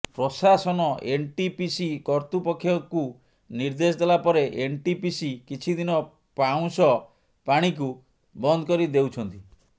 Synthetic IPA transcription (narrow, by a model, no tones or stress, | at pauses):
pɾɔsasɔnɔʔeɳʈipisikɔɾt̪upɔkʰːjɔku | niɾd̪es̬ɔd̪elapɔɾeʔeɳʈipisikit͡ʃʰid̪inɔ | paw̃sɔ | paɽ̃ik̬u | bɔnd̪ʱɔkɔɾid̪ewt͡ʃʰɔnt̪i